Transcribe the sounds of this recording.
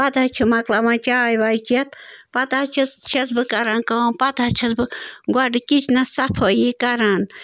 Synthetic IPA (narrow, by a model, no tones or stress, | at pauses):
pɐd̪ʱat͡ʃʰumɐklamãt͡ʃaːjʋait͡ʃɐt̪pɐd̪aːt͡ʃʰit͡ʃʰɐsbɨkɐɾankɐpɐd̪ʱat͡ʃʰɐsbɨɡɐɖɨkit͡ʃʰnɐsɐpʰoːjikɐɾan